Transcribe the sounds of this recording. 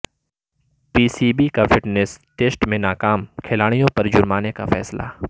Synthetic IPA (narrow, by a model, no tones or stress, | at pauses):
piːsiːbikafɪʈnesʈeːsʈmẽnaːkaːmkʰɪlaːɽ̃ijõpɐɾd͡ʒʊɾmaːneka̰fɛ̰ːsla̰ː